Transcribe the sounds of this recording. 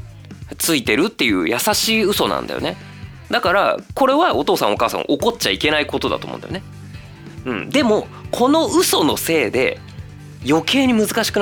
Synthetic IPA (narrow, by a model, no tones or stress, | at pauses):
t͡sɨit̪e̞ɾɯ̟t̪ːe̞jɯ̟̰ːjasaɕiːɯ̟so̞nã̰nd̪ajo̰ne̞ | d̪akaɾa̰ko̞ɾe̞βao̞t̪o̞ːsã̰o̞kaːsã̰ŋ̰̃ʔo̞ko̞tt͡ɕaike̞naiko̞t̪o̞d̪a̰t̪o̰mõ̰nd̪ajone | ɯ̟̃ɴd̪e̞mo̞ | kʰo̞no̞ɯ̟so̞no̞̰se̞ːd̪e̞̰ | jo̞kʰe̞ːɲ̟imɯ̟zɨkaɕi̥kɯn